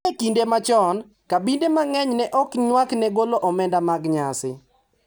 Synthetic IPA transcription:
ɛkindemat͡ʃɔn | kabindemaŋɛɲnɛʔɔkɲwaknɛɡoloʔɔmɛndamaɡɲasɪ

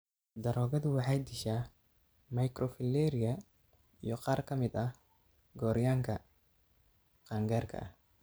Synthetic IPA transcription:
d̪ɐɾɔːɣɐðʊwɑħɑjd̪ɪʃaː | mɐjkɾʔɔfɪlːɛːɾɪjɐ | ḭjɔqɑːrkʰɐmɪd̪ɐ | ɡɔːɾjaːŋkʰɐ | qɑːŋɡaːrkʰɐ̰ʔɐh

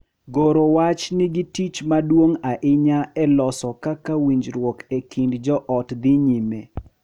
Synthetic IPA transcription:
ɡoɾowat͡ʃnɪɡitit͡ʃmadwoŋaʔɪɲaɛlɔsɔkakawiɲd͡ʒɾwokekʰindd͡ʒɔʔɔtd̪ɪɲime

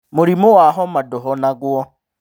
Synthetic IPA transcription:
mʊɾimʊwaɦɔmadɔɦɔnaɡwɔ

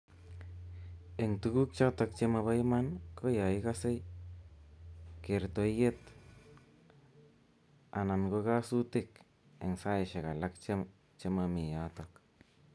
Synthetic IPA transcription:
eŋt̪uɡuk̚t͡ʃat̪ak̚t͡ʃemaβajmankojaikase | keɾt̪ojet̪ | a̰nankokasut̪ɪk | eŋsaeʃekalakt͡ʃe | t͡ʃemamijat̪ok

